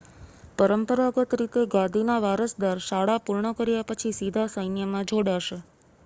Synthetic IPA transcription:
pəɾəmpəɾaɡət̪ɾit̪eɡãd̪ʱinaʋaɾəsd̪aɾʃaɽapuɾɳəkəɾjapət͡ʃʰisid̪ʱasəjnjəmãd͡ʒʱoɽaʃe

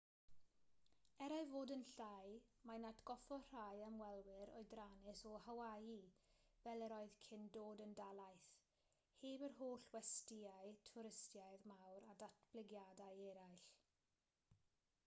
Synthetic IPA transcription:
ɛɾaɨvoːdənɬajmanatʰɡ̥ɔfɔr̥ajəmwɛlˠwɪɾɔ̰ɨdranɪsɔhawajivɛlˠəɾɔɨðkʰɪndoːdəndalˠajθ | heːbərɦoːɬwɛstɪaɨtʰʊɾɪstjaɨðmawɾadatʰb̥lɪɡjadajɛɾajɬ

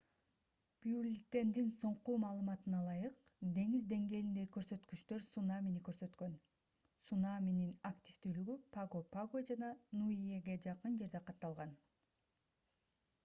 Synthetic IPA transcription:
b̥julʲit̪e̞nd̪inso̞ɴqumɑːlˠɯmɑt̪ɯnɑlˠɑjɯqd̪e̞ŋizd̪e̞ŋɡe̞ːlind̪eikøɾsø̞t̪kyt͡ʃt̪ø̞ɾsunamʲinikø̞ɾsø̞t̪kø̞n | sunamʲininakt̪ʲift̪yːlyɡypaɡopaɡod͡ʒɑnɑnuieɡe̞d͡ʒɑqɯnd͡ʒe̞ɾd̪e̞qʰɑt̪ːɑlˠʁɑn

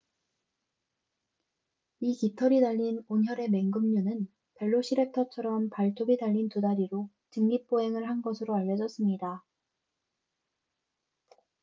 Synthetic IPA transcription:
ikitʰʌɾidaʎːinonçjʌɾe̞me̞ŋɡɯmɲunɯn | pe̞ɭːoɕʰiɾe̞k̚tʰʌt͡ɕʰʌɾʌmpaɭtʰoɡitaʎːintudaɾiɾo | t͡ɕɯŋɡip͈̚oɦe̞ŋɯɭɦanɡʌsʰɯɾoaʎːjʌd͡ʑʌs͈ɯmɲida

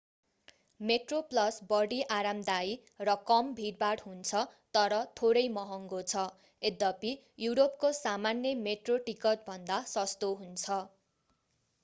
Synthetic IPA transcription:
meʈroplʌsbʌɽiʔaɾamd̪aj | rʌkʌmbʱiɽbaɽɦunt͡sʰʌt̪ʌɾʌt̪ʰoɾʌjmʌɦʌŋɡot͡sʰʌ | ed̪ʌpi | juɾop̚kosamanjʌmeʈroʈikʌʈ̚bʱʌnd̪asʌst̪oɦunt͡sʰʌ

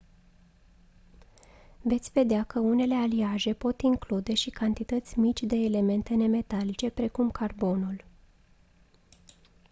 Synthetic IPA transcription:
ve̞t̪sʲve̞d̪eakəune̞le̞aliaʒe̞po̞t̪iŋklud̪e̞ʃikant̪it̪ət̪sʲmit͡ʃʲd̪e̞ːle̞me̞nt̪e̞ne̞me̞t̪alit͡ʃe̞pɾe̞kumkarbo̞nul

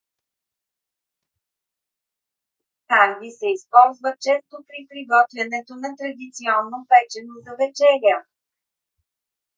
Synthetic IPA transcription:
taɾɡ̪isɛispɔlˠzvət͡ʃɛst̪opɾipɾiɡɔt̪vʲɛnɛt̪onɐt̪ɾɐd̪it̪siɔnːopɛt͡ʃɛnozɐvɛt͡ʃɛliə

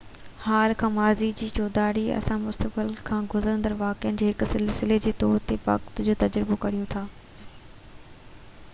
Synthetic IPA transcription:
haːlkʰãːmaːzid͡ʑiːt͡ɕoːd̪aːɾiɐ̰sãmʊst̪ək̚bɪlkʰãːɡʊzəɾə̃nd̪əɾʋaːkɪənɪ̆d͡ʑoːɦɪksɪlsɪled͡ʑeːt̪ɔːɾt̪epɐ̰kt̪d͡ʑoːt̪ɐd͡ʑɾɪbokɐɾ̤ijũt̪ʰaː

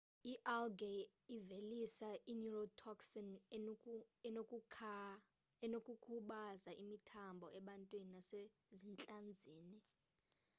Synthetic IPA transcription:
iʔɛlɡe | ivelisaʔinurɔtʰɔksɔn | ɛnokʼʰ | ɛnokʼukʰuɓazaʔimitʰambʱɔɛɓantʼwininase | zint͡ɬʼand͡zʱiːni

